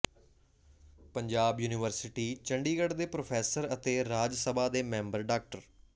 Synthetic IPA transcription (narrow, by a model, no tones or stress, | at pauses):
pəɲd͡ʒaːbjuːnɪʋəɾsɪʈiːt͡ʃəɳɖiːɡəɖd̪eːpɾoːpʰɛːsəɾət̪eːɾaːd͡ʒsəbʱaːd̪eːmɛ̃ːmbəɾɖaːk̚ʈəɾ